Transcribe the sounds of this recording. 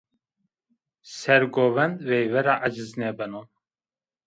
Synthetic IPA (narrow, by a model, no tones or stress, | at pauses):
sɛɾɡɔvɛnvɛjvɛɾaʔad͡ʒɨznɛbɛnɔn